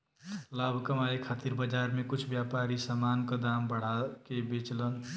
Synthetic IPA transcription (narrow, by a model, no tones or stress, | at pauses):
labʱkəmaekʰat̪iɾbəd͡ʒaɾmekut͡ʃʰbjapaɾisamankəd̪ambəɽ̤akebet͡ʃlən